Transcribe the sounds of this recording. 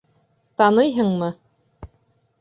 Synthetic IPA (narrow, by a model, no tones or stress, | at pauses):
t̪ɑnɤjɦɤɴmɤ